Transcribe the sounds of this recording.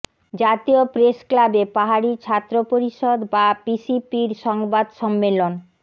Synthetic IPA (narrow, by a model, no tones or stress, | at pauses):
d͡ʑat̪iopɾesklabepaɦaɾit͡ɕʰat̪ːɾopoɾiʃod̪babisipiɾʃɔŋbad̪ʃɔmːelon